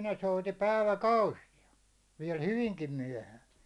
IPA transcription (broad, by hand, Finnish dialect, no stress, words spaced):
ne souti pæiʋækɑusijɑ ʋiɛl hyʋiŋkim myæ̹hæːn